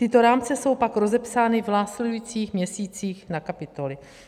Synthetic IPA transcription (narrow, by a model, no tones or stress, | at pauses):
t̪ɪt̪o̞ɾaːmt͡sɛso̞wpakɾo̞zɛpsaːnɪvnaːslɛdujiːt͡siːxmɲɛsiːt͡siːxnakapɪt̪o̞lɪ